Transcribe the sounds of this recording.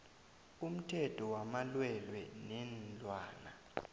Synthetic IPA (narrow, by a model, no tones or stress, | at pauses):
um̩tʰɛtʼʰɔwamalwɛlwɛnɛnlʼwaːna